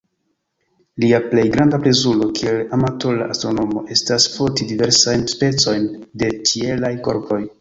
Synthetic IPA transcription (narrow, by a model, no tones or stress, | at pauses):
liaple̞jɡɾandapɾe̞zulo̞kie̞lamato̞la̰ʔastɾo̞no̞mo̞ʔe̞stasfotidive̞ɾsajnspe̞t͡so̞jnde̞t͡ʃie̞lajko̞̰ɾpo̞j